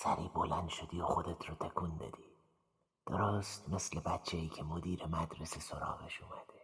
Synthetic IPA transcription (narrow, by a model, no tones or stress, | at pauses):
sæɾiːbolænd̪ʃod̪iːoxod̪et̪ʰɾɒt̪ʰekʰuːnd̪ɒ̰d̪̥iː | d̪̥oɾost̪meslebæt̪t͡ʃʰeiːkʲʰemod̪iːɾemæd̪ɾesesoɾɒ̰ːɣeʃumæd̪̥e